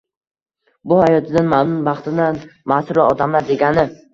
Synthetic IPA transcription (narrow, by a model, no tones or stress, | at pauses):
bʊhajɒt̪ʰɪd̪anmamnʊnbɑχt̪ɪnanmasʊɾɪɒd̪amlaɾd̪e̞ɡʲanɪ